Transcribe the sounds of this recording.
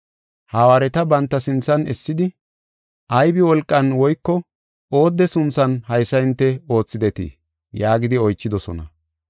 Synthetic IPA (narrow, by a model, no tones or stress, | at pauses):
haːwaːɾɛt̪ɐbɐnt̪ːɐsɪnt͡sːɐnɛsːɪd̪ɪ | ʔɐjbɪwɔlkʼːɐnwɔjkːɔ | o̞ːd̪ːɛsʊnt͡sːɐnhɐjsːɐɪnt̪ːɛo̞ːt͡sːɪd̪ɛt̪ḭː | jaːɡɪd̪ɪɔjt͡ʃːɪd̪ɔsɔ̰nɐ